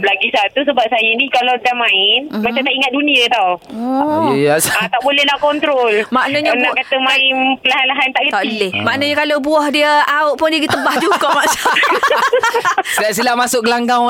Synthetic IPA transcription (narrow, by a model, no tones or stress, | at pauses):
blaɡisat̪usəbap̚sajənikalawdamãɪnmaãmt̪aʔiŋat̪̚duniət̪awɔjəjasat̪aʔbolɛhlaʔkɔnt̪ɾolmaʔnəɲanaʔkat̪əmaɪnpəlaɦanlaɦant̪aʔkit̪alɛhmaʔnəɲəkalowbuahdiəaoʔpʊndiəɡit̪əbahd͡ʒuɡaʔmaʔsa | silas̬ilamasʊʔ̚ɡəlaŋɡãŋ